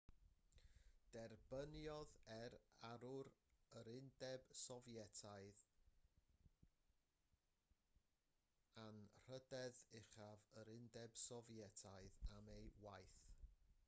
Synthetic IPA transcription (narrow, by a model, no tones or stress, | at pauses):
d̥ɛrbənjɔðɛɾaɾʊɾəɾɪndɛb̥sɔvjɛtʰaɨð | anr̥ədɛðɪχavəɾɪndɛb̥sɔvjɛtʰaɨðamejwajθ